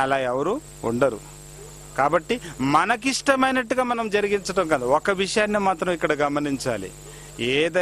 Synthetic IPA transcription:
ɐlaːjɛʋɐɾu | ṵɳɖɐɾṵ | kaːbɐʈːimɐnɐk̬iʂʈɐmɐjnɐʈːuɡaːmɐnɐmd͡ʒɐɾiɡiɲt͡ʃɐʈɐmkɐnd̪iɔkːɐʋiʂɐjaːnːimaːt̪ɾɐmikːɐɽɐɡɐmɐniɲt͡ʃa̰ːlḭ | eːd̪ɐ

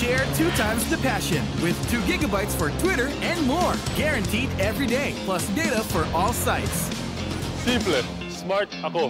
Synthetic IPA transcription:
ʃɛɹtʰʉtʰãɪ̃mz̥tʰɨpʰæʃɨ̃nwɪð̥tʰʉɡɪɡəbaɪtsfəɹtʰw̥ɪɾə˞ɨ̃nmɔɹɡ̥ɛɹɨ̃ntʰidɛvɹideɪpʰl̥ˠʌsdeɪɾəfə˞ʔɔlˠsaɪts | sĩple | smaɹtako

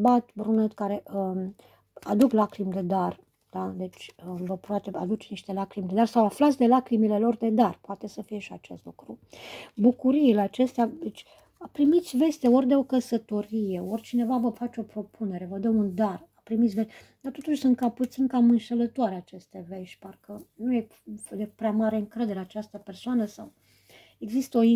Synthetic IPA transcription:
bat̪bɾunet̪kaɾe̞ʔə | ad̪uklakɾimd̪e̞d̪ar | d̪̥ad̪e̞t͡ʃʲvəpɾoat̪ea̰d̪ut͡ʃʲniʃt̪e̞lakɾimd̪e̞d̪arsawaflat̪sʲd̪e̞lakɾimile̞lo̞rd̪e̞d̪arpoat̪e̞səfije̞ʃia̰t͡ʃe̞̰st̪lukɾubukuɾiileat͡ʃe̞st̪ead̪et͡ʃʲ | apɾimit̪sʲve̞st̪e̞o̞rʲd̪e̞o̞kəsət̪o̞ɾije̞orʲt͡ʃine̞vavəfat͡ʃeo̞pɾo̞pune̞ɾe̞vəd̪əund̪arapɾimit̪sʲves | d̪art̪o̞t̪uʃʲsunt̪̚kaput̪sinkamɨnʃelət̪oaɾeat͡ʃe̞st̪eveʃʲparkənuje | d̪epɾeamaɾe̞ɨŋkɾe̞d̪e̞ɾeat͡ʃast̪əpe̞rsoanəsaw | e̞ɡzist̪əo̞i

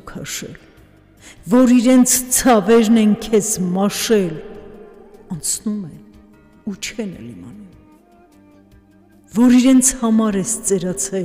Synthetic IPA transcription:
kʰɑʃɛ̰l | vɔɾiɾɛnt͡sʰt͡sʰɑvɛɾnɛŋkʰɛsmɑʃɛl | ɑnt͡sʰnumɛn | ut͡ʃʰɛnɛ̰limɑ̰num | vɔɾiɾɛnt͡sʰhɑmɑɾɛst͡sɛɾɑt͡sʰɛ

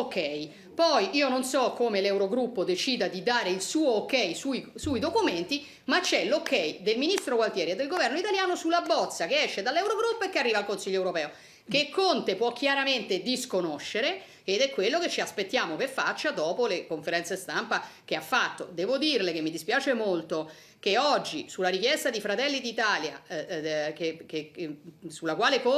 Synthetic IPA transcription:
okʰːɛj | pɔjʔiːononsɔkːomelɛwɾoɡɾupːod̪et͡ʃiːd̪ad̪id̪aːɾeilsuːoːkːɛjsuisuːid̪okument̪i | mat͡ʃːɛlokːɛjd̪elminist̪ɾokwalt̪jɛːɾied̪ːelɡovɛrnoit̪aljaːnosulːabːɔt̪sːakeɛʃːed̪alːɛwɾoɡɾupːoekːearːiːvaːlkonsiʎːoɛwɾopɛːo | kekʰːont̪epwɔkːjaɾament̪ed̪iskonoʃːeɾe | ed̪ɛkːwelːoket͡ʃːiaspet̪ːjaːmopefat͡ʃːad̪ɔːpolekoɱfeɾɛnt̪sest̪ampakeafːat̪ːod̪ɛːvod̪irlekemːid̪ispjaːt͡ʃemolt̪o | keɔd͡ʒːisulːaɾikjɛst̪ad̪ifɾat̪ɛlːid̪it̪aːlja̰ | keke | sulakwaːlek

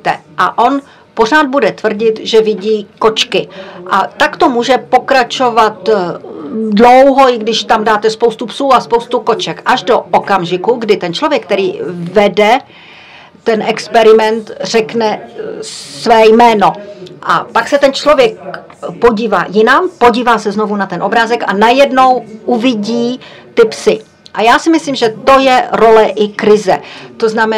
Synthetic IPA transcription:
t̪ɛ̰ʔa̰ʔo̞n | po̞r̝aːd̪̚budɛt̪vr̩ɟɪt̪ʒɛvɪɟiːko̞t͡ʃkɪʔat̪akt̪o̞muːʒɛpo̞kɾat͡ʃo̞vat̪ | dlowɦo̞ɪɡdɪʃt̪amdaːt̪ɛspowst̪upsuːaspowst̪uko̞t͡ʃɛkʔaʒdo̞okamʒɪkuɡdɪt̪ɛnt͡ʃlo̞vjɛk̚ːt̪ɛɾiːvɛdɛ | t̪ɛnʔɛkspɛɾɪmɛnt̪r̝̥ɛknɛ | svɛːjmɛːno̞ʔa̰paksɛt̪ɛnt͡ʃlo̞vjɛk̚ | po̞ɟiːva̰ːjɪnampo̞ɟiːvaːsɛzno̞vunat̪ɛnʔo̞bɾaːzɛka̰najɛdno̞wʔuvɪɟiː | t̪ɪpsɪ | ʔajaːsɪmɪsliːmʒɛt̪o̞jɛɾo̞lɛʔɪkɾɪzɛ̰t̪oznamɛ

